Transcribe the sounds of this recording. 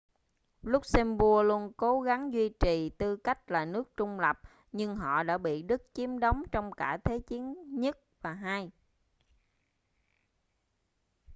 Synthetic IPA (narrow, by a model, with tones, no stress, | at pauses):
lʊ˦˥k͡p̚sɛ˧mvu˧əlu˧ənko˨˦ɣa˨˦ŋzwi˧t͡ɕi˨˩t̪ɨ˧ka˦˥jk̟̚laː˨˩nɨ˦˥ək̚t͡ɕʊ˧ŋ͡mlə˨˩p̚ | ɲɨ˧ŋɦɔ̰˧˨ɗa̰ː˧˥ɓḭ˧˨ɗɨ˦˥k̚t͡ɕi˨˦əmɗə˨˦wŋ͡mt͡ɕɔ˧wŋ͡mkaː˧˩t̪ʰe˨˦t͡ɕi˨˦ənɲə˦˥t̚vaː˨˩ɦaː˧j